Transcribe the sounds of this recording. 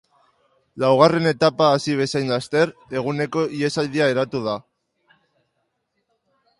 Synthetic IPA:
lawɣ̞are̞ne̞t̪apaːsiβ̞e̞sajnlast̪e̞ɾe̞ɣ̞une̞ko̞ie̞sald̪iae̞ɾat̪uð̞a

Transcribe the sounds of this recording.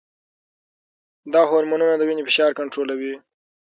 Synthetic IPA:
d̪ɑɦoɾmanunad̪əwinifɪʃɑɾkaɳʈɾolawi

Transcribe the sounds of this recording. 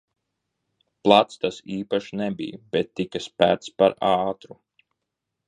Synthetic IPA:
plˠat̪st̪asiːpaʃinɛbḭjb̥ɛt̪ːikaspæːɾt̪spaɾaːt̪ɾu

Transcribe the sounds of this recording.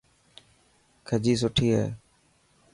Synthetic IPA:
kʰəd͡ʑiːs̬ʊʈʰiːɦaḛː

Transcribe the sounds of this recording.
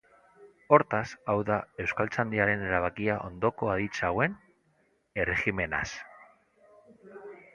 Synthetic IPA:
o̞ɾt̪asawðae̞wskalt͡sand̪iaɾe̞ne̞ɾaβ̞akiaʔo̞̰nd̪o̞ko̞aðit͡sawe̞n | e̞rexime̞na̰s

